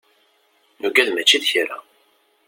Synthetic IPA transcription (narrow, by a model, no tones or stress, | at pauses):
nuɡæðmæt͡ʃːiðçɾa̰